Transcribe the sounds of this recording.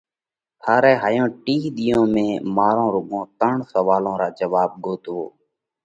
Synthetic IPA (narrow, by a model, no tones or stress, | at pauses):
t̪ʰaːɾɛːɦaːjõːʈiːɗ̪ɪjõːmẽːmaːɾõːɾʊɠõːt̪əɳsəʋaːlõːɾaːd͡ʒəʋaːɓ̚ɠoːt̪oː